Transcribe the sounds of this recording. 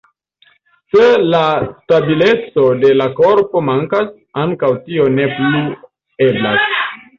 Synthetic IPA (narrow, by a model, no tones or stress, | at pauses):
se̞lastabile̞t͡so̞de̞lako̞ɾpo̞maŋkas | aŋkawtio̞ne̞pli | ebla̰s